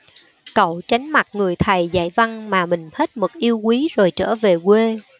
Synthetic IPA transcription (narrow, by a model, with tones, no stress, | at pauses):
kə̰˧˨wt͡ɕa˨˦ŋ̟ma˨˩t̚ŋɨ˨˩əjt̪ʰə˨˩jza̰˧˨jva˧nmaː˨˩mï˨˩ŋ̟he˦˥t̚mɨ˨˩k̚ʔi˧əwkwi˨˦zo˨˩jt͡ɕəː˧˩ve˨˩kwe˧